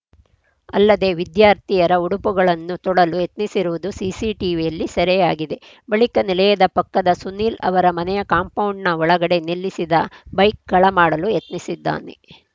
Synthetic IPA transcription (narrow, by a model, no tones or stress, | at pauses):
ɐlːɐd̪e̞ːʋid̪jaːɾt̪ijɐɾɐuɽupuɡɐɭɐnːut̪ɔɽɐlujet̪nisiɾuʋud̪usiːsiʈiʋijɐlːisɐɾɛjaːɡid̪e̞ | bɐɭikɐnilɐjɐd̪ɐpɐkːɐd̪ɐsuniːlɐ̰ʋɐɾɐmɐnɛjɐkaːmpɐwɳɖnɐɔɭɐɡɐɽe̞nilːisid̪ɐbɐjk̚ɡɐɭɐmaːɽɐlujet̪nisid̪ːa̰ːne̞̰